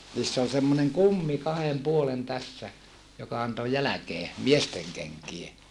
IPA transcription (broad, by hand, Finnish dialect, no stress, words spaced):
niːsː ol semːoneŋ kumːi kɑhem puolen tæsːæ jokɑ ɑnto jælækeː miesteŋ kenkie